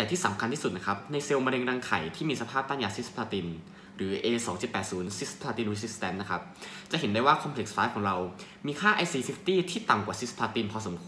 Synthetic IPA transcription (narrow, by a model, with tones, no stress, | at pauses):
t̪ɛ˨˩t̪ʰiː˥˩sa˩˦mkʰnt̪ʰiː˥˩u˨˩t̪̚na˦˥kʰa˦˥p̚na˧jse˧wma˧ɾe˧ŋɾaː˧ŋkʰa˨˩jt̪ʰiː˥˩miː˧sa˧pʰaː˥˩p̚t̪aː˥˩jaː˧si˦˥spʰaː˧t̪i˧n | ɾɯː˩˦ʔeː˧sɔː˩˦ŋt͡ɕi˨˩t̪̚pɛː˨˩t̪̚suː˩˦nsi˦˥spʰaː˧t̪iː˧nɾi˦˥si˦˥st̪ɛ˦˥nna˦˥kʰa˦˥p̚t͡ɕa˨˩ʔɦe˩˦ndaː˥˩jwaː˥˩kʰɔ˧mpʰli˨˩k̚sfaː˦˥kʰɔː˩˦ŋɾa˧w | miː˧kʰaː˥˩ʔa˧jsiː˧si˦˥ft̪iː˥˩t̪ʰiː˥˩t̪a˨˩ŋkwaː˨˩si˦˥spʰaː˧t̪i˧npʰɔː˧so˩˦mkʰu˧